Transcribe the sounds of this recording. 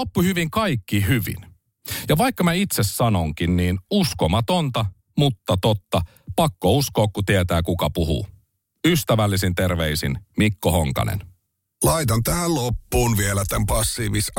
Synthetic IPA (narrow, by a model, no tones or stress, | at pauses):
opːuhyʋiŋkɑjkːiɦyʋḭn | jɑʋɑjkːɑmæit̪se̞sːɑno̞ŋk̟inniːnuskomɑt̪o̞nt̪ɑ | mut̪ːɑt̪ot̪ːɑ | pɑkːousko̞ːkkut̪iet̪æːkukɑpuɦṵː | yst̪æʋælːisint̪e̞rʋe̞isḭnmikːoho̞ŋkɑ̰nḛn | lɑit̪ɑnt̪æhællopːuːnʋielæt̪æmpɑsːiːʋis